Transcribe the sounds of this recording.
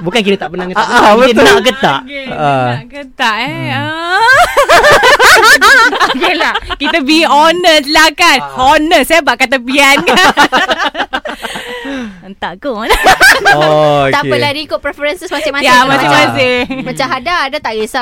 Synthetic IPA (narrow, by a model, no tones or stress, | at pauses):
bukankit̪at̪aʔpənaŋanaʔɡət̪aʔkʔəaʔɡət̪aʔɛə | ɡəlakit̪əbiɔnəslakanɔnəsabaʔkat̪apianka | ənt̪aʔkon | t̪aəladiikʊpɾɛfɔɾənsəsmasɪmajamãsɪmãsɪmmat͡ʃaɦadaːdat̪aʔɡisa